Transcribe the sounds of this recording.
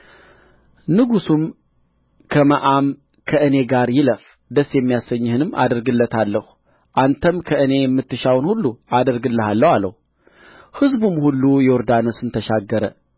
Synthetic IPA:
nɨɡusum | kʰəməʔam | kʰəʔɨne̞ɡaɾjɪləf | d̪əsjɛmːijasːəɲːɪhɨnɨmːʔa̰d̪əɾɡɨlːət̪ʰalːəhu | ʔant̪ʰəmkʰəɨne̞jɛmːɨt̪ːɨʃawnhulːuad̪əɾɡɨlːəhalːəwalːə̰h | hɨzbumhulːujɛɔɾd̪anəsɨnt̪ʰəʃaɡːəɾə

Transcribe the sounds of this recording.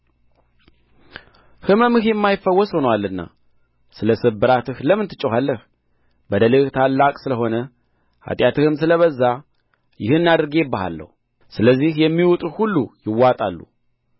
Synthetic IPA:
hɨməmɨhjɛmːajɪfːəwːɔsho̞nəwalːɨnːa̰ | sɨləsɨbːɨɾat̪ʰɨhləmːɨnt̪ʰɨt͡ʃʼːɛhalːəh | bəd̪əlɨʔt̪ʰalːakʼsɨləɦo̞nə | ha̰t̪ʼjat̪ʰɨhɨmsɨləβəzːa | jɪhɨnːad̪ɨɾɨɡe̞baha̰lːə̰hu | sɨləzːihjɛmːiwɔt̪ʼuhulːujɪwːat̪ʼalːṵ

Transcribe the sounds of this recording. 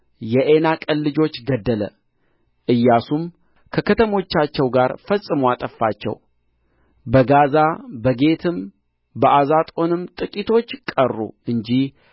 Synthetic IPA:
jɛʔenakʼəlːɨd͡ʒo̞t͡ʃːɡəd̪ːələ̰ | ʔɨjːasum | kʰəkʰət̪ʰəmo̞t͡ʃːat͡ʃːɛwɡaɾfəsʼːɨmoat̪ʼəfːa̰t͡ʃːɛ̰w | bəɡazabəɡe̞t̪ʰɨm | bəʔazat̪ʼo̞nɨmt̪ʼɨkʼit̪ʰo̞t͡ʃːkʼərːṵɨɲd͡ʒih

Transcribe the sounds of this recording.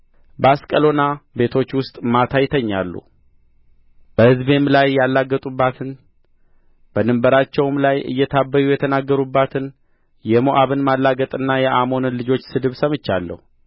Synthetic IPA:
bəaskʼəlo̞nabe̞t̪ʰo̞t͡ʃːwʊst̪ʼmat̪ʰajt̪ʰəɲːalːṵ | b̥əhɨzbe̞mlajːalːaɡːət̪ʼubːat̪ʰɨn | b̥ənɨmbəɾat͡ʃːɛwmlajɨ̰jːɛt̪ʰabːəjujɛt̪ʰənaɡːəɾubːat̪ʰɨn | jɛmoʔaβɨnmalːaɡət̪ʼɨnːajɛʔamo̞nɨnlɨd͡ʒo̞t͡ʃːsɨd̪ɨβsəmɨt͡ʃːalːə̰hu

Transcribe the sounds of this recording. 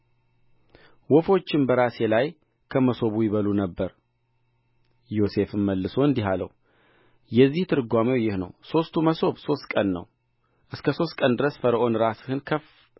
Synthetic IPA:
wɔfo̞t͡ʃːɪmbəɾase̞laj | kʰəməso̞βujɪβəlunəbːəɾ | jo̞se̞fɨmməlːɨso̞ɨnd̪iɦalə̰w | jɛzːiht̪ʰɨɾɡʷamejɪhnə̰wso̞st̪ʰuməso̞βso̞st̪kʼənːə̰w | ʔɨskʰəso̞st̪̚kʼənd̪ɨɾəsfəɾəʔo̞nɾashɨnkʰəf

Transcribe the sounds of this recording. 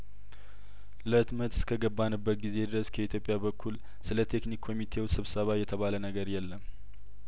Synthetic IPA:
ləɨt̪mət̪ʰɨ̥skʰəɡəbːanəbːət̪̚ɡize̞d̪ɨɾəskʰəit̪ʰjo̞pʼːjaβəkʰːul | sɨlət̪ʰe̞knikʰːo̞mit̪ʰe̞wsɨβsəβajɛt̪ʰəβalənəɡəɾjɛlːəm

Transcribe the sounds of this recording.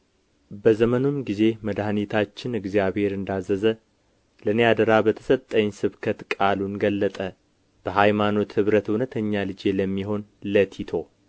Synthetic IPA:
bəzəmənumɡize̞məd̪ahnit̪ʰat͡ʃːɪnɨɡzijaβhe̞ɾɨnd̪azːəzə | lənejad̪əɾabət̪ʰə̥sət̪ʼːəɲsɨβkʰət̪kʼalunɡəlːət̪ʼə | b̥əhajmano̞t̪hɨβɾət̪wunət̪ʰəɲːalɨd͡ʒe̞ləmːiɦo̞nlət̪ʰit̪ʰo̞

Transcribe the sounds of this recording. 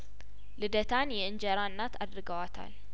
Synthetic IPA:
lɨd̪ət̪ʰanjɛɨnd͡ʒəɾanːat̪ʰad̪ɾɡəwat̪ʰa̰l

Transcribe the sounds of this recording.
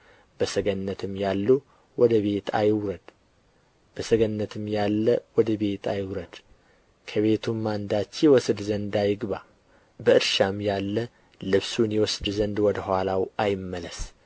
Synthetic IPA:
b̥əsəɡənːət̪ʰɨmjalːu | wɔd̪əβe̞t̪ʰajwɾəd̪ | b̥əsəɡənːət̪ʰɨmjalːəwɔd̪əbe̞t̪ʰajwɾəd̪̥ | kʰəβe̞t̪ʰumːand̪at͡ʃːiwɔsd̪zənd̪ajɪɡβa | bəʔɨɾʃamjalːə | lɨβsunjɛwɔsd̪zənd̪wɔd̪əhʷalawʔajɪmːələs

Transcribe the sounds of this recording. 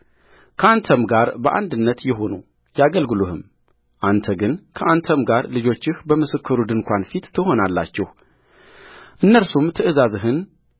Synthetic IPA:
kʰəʔant̪ʰəmɡaɾbəʔand̪ɨnːət̪jɪɦo̞nṵ | jaɡəlɡɨluhɨm | ʔant̪ʰəɡɨnkʰəʔant̪ʰəmɡaɾlɨd͡ʒo̞t͡ʃːɪhbəmɨsɨkːɨɾud̪ɨnkʷanfit̪ːʰɨho̞nalːa̰t͡ʃːɛh | ʔɨnːəlsumt̪ʰɨʔɨzazɨɦɨn

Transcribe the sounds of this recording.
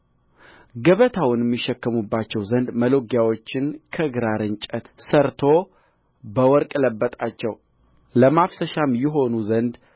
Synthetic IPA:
ɡəβət̪ʰawnjɛmːiʃːɛkːəmubːat͡ʃːɛwzənd̪məloɡjawo̞t͡ʃːɪnkʰəɨɡɨɾaɾɨnt͡ʃʼət̪səɾt̪ʰo̞ | bəwɔɾkʼləbːət̪ʼat͡ʃːɛw | ləmafsəʃamjɛɦo̞nuzənd̪

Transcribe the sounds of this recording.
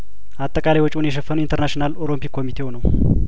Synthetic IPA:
ʔat̪ʼːəkʼalajwɔt͡ʃʼunjɛʃ̬ɛfːənuint̪ʰəɾnaʃinaloɾompʰikʰo̞mit̪ʰewonəw

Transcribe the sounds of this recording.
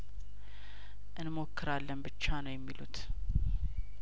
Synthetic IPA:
ʔɨnmo̞kʰːɨɾalːənbɨt͡ʃːanəwjɛmːilṵt̪

